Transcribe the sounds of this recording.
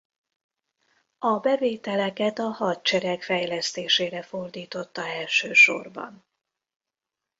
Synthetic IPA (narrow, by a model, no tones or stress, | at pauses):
ɒbɛveːt̪ɛlɛkɛt̪ɒhɒt̪̚t͡ʃɛɾɛkfɛjlɛst̪eːʃeːɾɛfo̞rd̪iːt̪o̞t̪ːɒɛlʃøːʃo̞̰rbɒ̰n